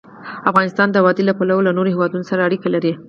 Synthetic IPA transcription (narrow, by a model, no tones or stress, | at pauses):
afɣɑnɪst̪ɑnd̪əwɑd̪elapalawolanoɾohewɑd̪unosaɾaːɽikalaɾi